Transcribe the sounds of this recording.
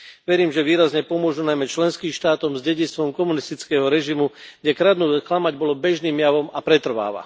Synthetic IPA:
ʋɛɾiːmʒɛʋiːɾazɲɛpɔmʊɔʒunajmɛt͡ʃlɛnskiːmʃt̪aːt̪ɔmzɟɛɟit͡sst̪ʋɔmkɔmunist̪it͡skɛɦɔɾɛʒimuɡɟɛkɾad̪nuːklamaɟbɔlɔbɛʒniːmjaʋɔmapɾɛt̪r̩ʋa̰ːʋa̰

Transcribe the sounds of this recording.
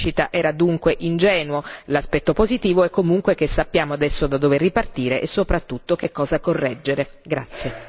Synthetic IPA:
t͡ʃit̪aʔɛːɾad̪uŋkweʔind͡ʒɛːnuolaspɛt̪ːopozit̪iːvoɛkːomuŋkwek̟esːapːjaːmoad̪ɛsːod̪ad̪overːipart̪iːɾeʔesːopɾat̪ːut̪ːok̟ekːɔːzakorːɛd͡ʒːeɾeɡɾat̪sːje

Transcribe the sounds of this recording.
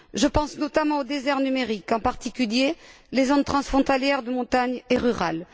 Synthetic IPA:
ʒəpɑ̃snɔt̪amɑ̃od̪ezɛʁnymeʁikɑ̃paʁt̪ikʲylje | lezont̪χɑ̃sfχɔ̃t̪aljɛʁd̪əmɔ̃t̪aɲeʁyʁal

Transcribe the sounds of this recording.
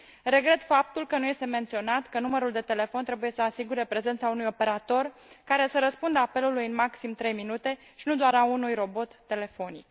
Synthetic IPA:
re̞ɡɾe̞t̪fap̚t̪ulkənuje̞st̪e̞me̞nt̪sio̞nat̪kənuməɾuld̪e̞t̪e̞le̞fo̞nt̪ɾe̞buje̞səasiɡuɾe̞pɾe̞ze̞nt̪saunujo̞pe̞ɾat̪o̞rkaɾe̞səɾəspund̪əape̞lulujɨnmaksimt̪ɾe̞jminut̪e̞ | ʃinud̪oaɾaunujro̞bo̞t̪ːe̞le̞fo̞nḭk̚

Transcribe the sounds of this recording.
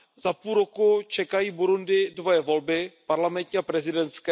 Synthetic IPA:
zapuːlɾokut͡ʃɛkajiːbuɾundɪdvojɛvo̞lbɪpaɾlamɛnt̪ɲiapɾɛzɪdɛnt̪skɛ

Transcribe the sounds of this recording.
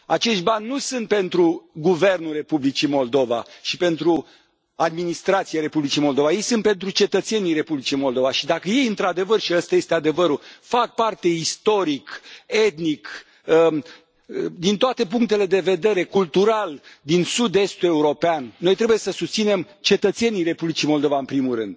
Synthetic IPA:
at͡ʃe̞ʃt̪̚ʲbanʲːusɨnt̪̚pe̞nt̪ɾuɡuve̞rnulre̞publit͡ʃimo̞ld̪o̞va̰ʃipe̞nt̪ɾu | ad̪minist̪ɾat̪sijaɾe̞publit͡ʃimo̞ld̪o̞vaje̞jsɨnt̪̚pe̞nt̪ɾut͡ʃe̞t̪ət̪se̞nijre̞publit͡ʃimo̞ld̪o̞vaʃid̪akəje̞jɨnt̪ɾad̪e̞vərʃiast̪aje̞st̪ead̪e̞vəɾufak̚part̪e̞ist̪o̞ɾike̞t̪nik | ə | d̪int̪oat̪e̞p̬uŋk̚t̪e̞le̞d̪e̞ve̞d̪e̞ɾe̞kult̪uɾald̪insud̪e̞st̪ue̞uɾo̞peanːo̞jt̪ɾe̞buje̞səsust̪ine̞m | t͡ʃe̞t̪ət̪se̞nijre̞publit͡ʃimo̞ld̪o̞vaɨmpɾimulɾɨnd̪̥̚

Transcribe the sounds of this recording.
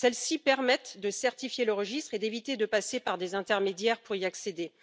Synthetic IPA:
sɛlsipɛʁmɛt̪d̪əsɛʁt̪ifjeləʁəʒist̪χed̪evit̪ed̪əpasepaʁd̪ezɛ̃t̪ɛʁmed̪jɛʁpuʁiaksed̪e

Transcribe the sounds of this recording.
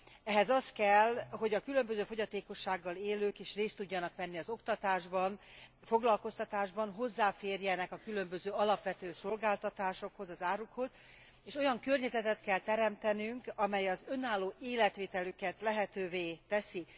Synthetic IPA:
ɛɦɛzɒst̪kɛlɦo̞ɟɒkylø̞mbø̞zøːfo̞ɟɒt̪eːko̞ʃːaːɡːɒleːløːkeːʃreːst̪ːuɟːɒnɒkʋɛnːiɒzo̞kt̪ɒt̪aːʒbɒn | fo̞ɡlɒlko̞st̪ɒt̪aːʒbɒnɦo̞zːaːfeːrjɛnɛkɒkylømbø̞zøːɒlɒpʋɛt̪øːso̞lɡaːlt̪ɒt̪aːʃo̞kho̞zɒzaːɾukho̞z | eːʃo̞jɒŋkø̞rɲɛzɛt̪ɛt̪kɛlt̪ɛɾɛmt̪ɛnyŋkɒmɛjɒzø̞naːlːoːʔeːlɛt̪ʋeːt̪ɛlykɛt̪lɛɦɛt̪øːveːt̪ɛsi

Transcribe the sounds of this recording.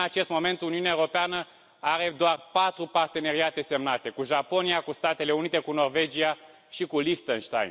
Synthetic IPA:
at͡ʃe̞st̪mo̞me̞nt̪uniuneaeoɾopeanə | aɾe̞d̪oarpat̪ɾupart̪e̞ne̞ɾiat̪e̞se̞mnat̪e̞kuʒapo̞niakust̪at̪e̞le̞unit̪e̞kuno̞rve̞d͡ʒia | ʃikulixt̪ənʃt̪a̰jn

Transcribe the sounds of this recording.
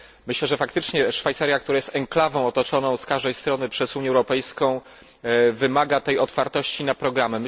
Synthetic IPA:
mɘɕlɛʐɛfakt̪ɘt͡ʂɲɛʂfajt̪saɾʲjak̚t̪uɾajɛst̪ɛŋklavɔ̃w̃ɔt̪ɔt͡ʂɔnɔ̃w̃skaʐd̪ɛjst̪ɾɔnɘpʂɛzuɲjɛwɾɔpɛjskɔ̃w̃ | vɘmaɡat̪ɛjɔt̪faɾt̪ɔɕt͡ɕinapɾɔɡɾamɛm

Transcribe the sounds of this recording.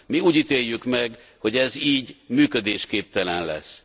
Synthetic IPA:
miuːɟit̪eːjːykmɛɡ | ho̞ɟɛziːɟmyːkød̪eːʃkeːp̚t̪ɛlɛnlɛ̰s

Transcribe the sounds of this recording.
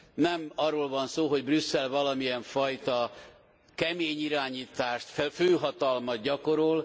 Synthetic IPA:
nɛmɒrːoːlvɒnsoːɦo̞ɟbrysːɛlvɒlɒmijɛɱfɒjt̪ɒ | kɛmeːɲiɾaːɲiːt̪aːʃt̪fføːɦɒt̪ɒlmɒt̪ɟɒko̞ɾol

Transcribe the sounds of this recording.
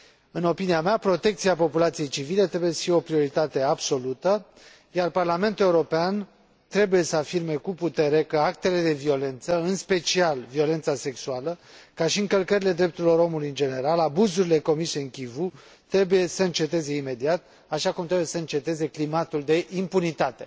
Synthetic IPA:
ɨno̞piniameapɾo̞t̪e̞k̚t̪siapo̞pulat̪sije̞jt͡ʃivile̞t̪ɾe̞bujesəfieo̞pɾio̞ɾit̪at̪e̞abso̞lut̪ə | jarparlame̞nt̪ule̞uɾo̞pean | t̪ɾe̞buje̞səafirme̞kuput̪e̞ɾe̞kəak̚t̪e̞le̞d̪e̞vio̞le̞nt̪səɨnspe̞t͡ʃialvio̞le̞nt̪sase̞ksualəkaʃiɨŋkəlkəɾile̞d̪ɾe̞p̚t̪uɾilo̞ɾo̞mulujɨnd͡ʒe̞ne̞ɾalabuzuɾile̞ko̞mise̞ɨŋkʲivu | t̪ɾe̞buje̞səɨnt͡ʃe̞t̪e̞ze̞ime̞d̪iat̪̚ | aʃakumt̪ɾe̞buje̞səɨnt͡ʃe̞t̪e̞ze̞klimat̪uld̪e̞ʔimpunit̪at̪e̞̰

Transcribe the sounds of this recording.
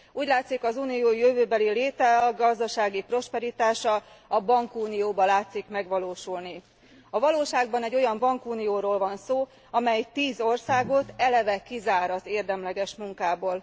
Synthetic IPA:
uːɟlaːt̪sikɒzuːnijoːjøvøːbɛlileːt̪ɛɒɡɒzd̪ɒʃaːɡipro̞ʃpɛɾit̪aːʃɒ | ɒbɒŋkuːnijoːbɒlaːt̪sikmɛɡʋɒloːʃulni | ɒvɒloːʃaːɡ̚bɒnɛɟːo̞jɒmbɒŋkuːnijoːɾoːlvɒnsoː | ɒmɛjt̪iːzo̞rsaːɡo̞t̪ɛlɛvɛkizaːɾɒzeːrd̪ɛmlɛɡɛʃmuŋkaːboːl

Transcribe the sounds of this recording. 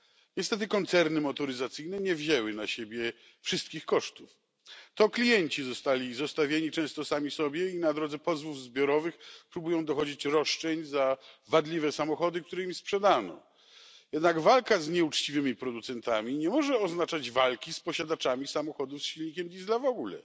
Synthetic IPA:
ɲɛst̪ɛt̪̬ɘkɔnt̪sɛɾnɘmɔt̪ɔɾɘzat̪sɘjnɛɲɛvʑɛwɘnaɕebʲjɛ | fʂɘst̪kʲixkɔʂt̪uf | t̪ɔklʲijɛɲt͡ɕizɔst̪alʲizɔst̪avʲjeɲit͡ʂɛ̃st̪ɔsamʲisɔbʲjɛinad̪ɾɔd̪zɛpɔzvuvzbʲjɔɾɔvɘxpɾubujɔ̃w̃d̪ɔxɔd͡ʑit͡ɕɾɔʂt͡ʂɛɲzavad̪lʲivɛsamɔxɔd̪ɘk̚t̪uɾɛimspʂɛd̪anɔ̰ | jɛd̪naɡvalkazɲɛut͡ʂt͡ɕivɘmʲipɾɔd̪ut̪sɛnt̪amʲiɲɛmɔʐɛɔznat͡ʂad͡ʑvalkʲispɔɕad̪at͡ʂamʲisamɔxɔd̪ufsɕilʲɲikʲɛmd̪ʲizlavɔɡulɛ̰

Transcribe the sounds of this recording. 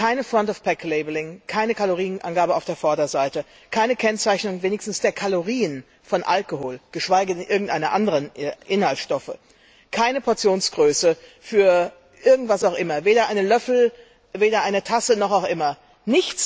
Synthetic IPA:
kʰaɪnəfʁ̥ɔntɔfpʰɛkleɪbəlɪŋkʰaɪnəkʰaloʁiːənʔa̰nɡaːbəaʊfd̥eːɐfɔɐdɐzaɪtə | kʰaɪnəkʰɛnt͡saɪçnʊŋveːnɪçstn̩sd̥eːɐkʰaloʁiːən | fɔnʔa̰lkohoːlɡ̥əʃv̥aɪɡəɪnʔɪɐɡŋ̩tʔaɪnɐʔandəʁənʔʔɪnhaltʃtɔfə̰ | kʰaɪnəpʰɔɐt͡sjoːnsɡ̥ʁøːsə | fyːɐ | ʔɪɐɡŋ̩tv̥asaʊxʔɪmɐveːɾɐʔaɪnəlœfl̩ | veːɾɐʔaɪnətʰasənɔχaʊxʔɪmɐ | nɪçt͡s

